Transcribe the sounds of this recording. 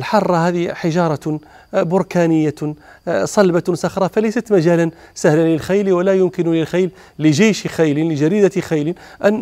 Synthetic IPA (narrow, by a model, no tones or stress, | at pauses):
lħɑrˤːɑhæd̪iħɪʒɑɾˤɑ | bʊɾkænəjːa | sˤɑlbasɑxɾˤɑfælæjsæt̪mæʒæːlən | sæhlanlɪlxajlwalæjʊmkɪnʊlɪlxajlː | ɪʒajʃxajlinlɪʒæɾid̪æt̪xajli | ʔæn